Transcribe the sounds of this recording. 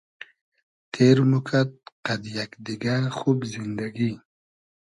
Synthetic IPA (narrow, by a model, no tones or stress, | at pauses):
t̪ʰeɾmukʰat̪̚qad̪jakd̪iɡaxubzind̪aɡi